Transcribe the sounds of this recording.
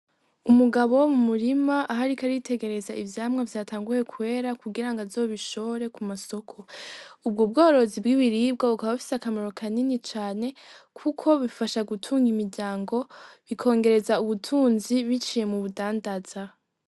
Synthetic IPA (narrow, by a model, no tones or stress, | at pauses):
umuɡaβowomumuɾimaʔaɦaɾikaɾitʰe̞ɡe̞ɾe̞zaivjaːmŋavjaːtʰaːŋɡuje̞kwe̞ːɾakuɡiɾaŋɡazoβiʃo̞oɾe̞kumaso̞kʰo̞ub̚ɡob̚ɡo̞ːɾo̞zibɡiβiɾiːb̚ɡaβukaβafi̥sakamoɾo̞kʰaninit͡ʃaːne̞kʰukʰo̞βifaʃaɡutʰuːŋɡimiɾɟaːŋɡo̞βikʰo̞ːŋɡe̞ɾe̞zauβutʰuːnziβit͡ʃije̞muβudaːndaz̥a